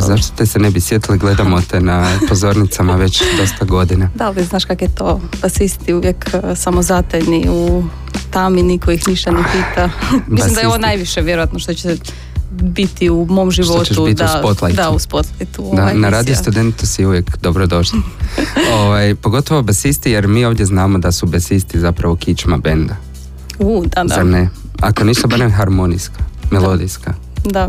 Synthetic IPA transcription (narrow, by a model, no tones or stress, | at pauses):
zaʃt̪o̥t̪esenebisjet̪iliɡle̞d̪amot̪enapozo̞ɾnit̪samaʋet͡ɕd̪o̞st̪aɡo̞d̪inad̪aoiznaːʃkakojet̪ob̥asist̪iuʋjeksamozat̪eʎniu | t̪aminikoixniʃt̪anepiːt̪amaimd̪aeoonajʋiʃeʋjeɾojat̪noʃt̪ot͡ɕe | bit̪iumo̞mʒiʋooteubit̪d̪iauspot̪lˠajd̪auspot̪lˠajt̪ud̪anaɾaːd̪ijust̪ud̪ent̪usiuʋjekd̪obɾod̪o̞ʃli | oʋajpoɡo̞t̪oʋobasist̪ijeɾmiːo̞ːʋd̪je̞znaːmo̞d̪asubesist̪izapɾaʋo̞kit͡ʃmabend̪a | ud̪azaɾne | akonist̪oabaɾemxaɾmoniskamelˠod̪iska | d̪a